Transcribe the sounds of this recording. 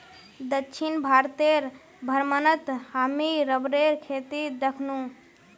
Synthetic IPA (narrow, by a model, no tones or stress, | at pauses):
d̪ətːt͡ʃʰinbʱaɾt̪eɾ | bʱəɾmənət̪hamiɾəbɾeɾkʰet̪id̪əkʰnu